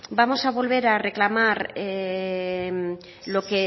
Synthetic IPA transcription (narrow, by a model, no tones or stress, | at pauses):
bamo̞saβo̞lβe̞ɾare̞klamaɾe | m | lo̞ke̞